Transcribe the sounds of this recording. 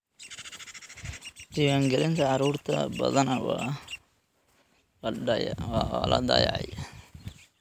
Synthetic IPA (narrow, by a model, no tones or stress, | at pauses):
d̪ɪwaːŋɡɛlɪnt̪ʰɐʕɑɾuːrt̪ʰɐ̰bɐ̰ðɐnɐ | wɑ̰ːlʔɐ̰d̪ɐ̰j̰ʕɑ̰j